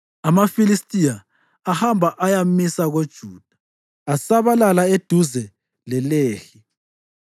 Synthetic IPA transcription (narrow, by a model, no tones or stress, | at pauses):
amafilistʼijaː | hambʱaʔajamisaɣod̥ʒ̥ʱuːd̥ʱḁː | saβalalaed̥ʱuzɛ | lɛleːxi